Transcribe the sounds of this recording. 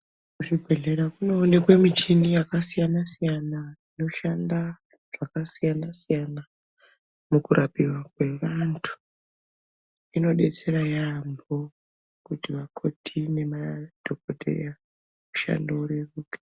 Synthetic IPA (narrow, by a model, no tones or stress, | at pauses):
kuʐibʱe̞ɮe̞ɾakuno̞ːnekwe̞mit͡ʃinijakasijanasijanaino̞ʃanda | ʐ̥akasijanasijana | mukuɾʔapiwakwe̞ʋantʰu̥ | ino̞ɗe̞t͡se̞ɾajambo̞ | kutiʋakʰo̞tʰine̞mad̥ʱokotḛr̰ja | uʃa̰ndouɾeruːkḁ